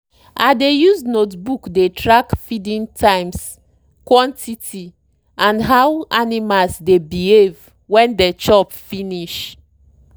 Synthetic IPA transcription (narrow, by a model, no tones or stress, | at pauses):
ʔadejuznotbukdetɹakfidĩntʰãɪ̃ms | kwɔ̃ntʰitʰi | ãndɦawanimalsdebihev | wɛ̃ndɛt͡ʃɔpfiniʃ